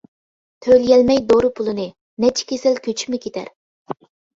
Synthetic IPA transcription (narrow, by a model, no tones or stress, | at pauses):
t̪ʰøljɛlmɛjd̪oɾɨpʰulˠɨnɨ | nɛt͡ʃʰi̥kʲʰesɪlkʲøt͡ʃʰi̥mɪkʲʰet̪ʰæ̰ɾ